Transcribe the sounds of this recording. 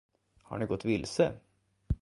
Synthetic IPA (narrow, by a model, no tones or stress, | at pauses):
ha̰ɳɪɡɔt̪ːʋɪlsə